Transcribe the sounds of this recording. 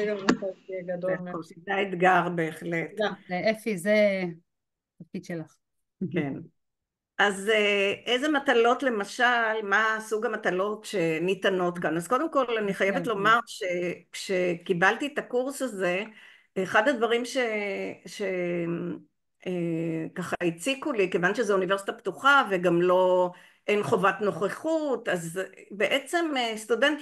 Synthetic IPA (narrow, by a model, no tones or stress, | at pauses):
ɡauaeɡɐd̪ooʃetaed̪ɡaʁbe̞ːχleteefize | tafkid̪ʃelaχ | ken | ʔazeʔejzematalo̞tle̞maʃalmasuɡamatalo̞tʃe̞nit̪ano̞t̪kanazko̞d̪e̞mko̞laniχajevet̪lo̞maʁʃekʃekibalt̪it̪akuʁsaze̞ | eχad̪ad̪vaʁimʃe̞ʃe | ekaχait͡sikulikevanʃezeunive̞ʁsi̥t̪aptuχaveɡamlo̞ | ʔenχo̞vatno̞χeχut̪azbeʔe̞t͡se̞mest̪udent̪